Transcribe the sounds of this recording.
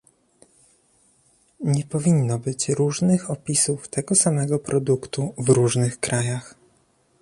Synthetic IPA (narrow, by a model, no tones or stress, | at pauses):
ɲɛpɔvʲinːɔbɘt͡ɕɾuʐnɘxɔpʲisuft̪ɛɡɔsamɛɡɔpɾʔɔd̪ukt̪uvɾuʐnɘxkɾajax